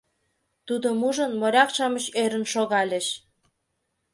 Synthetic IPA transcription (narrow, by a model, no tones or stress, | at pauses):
t̪ud̪omuʒə̆nmoɾʲɑkʃɑməɕeɾə̆nʃoɣɑlʲeʃ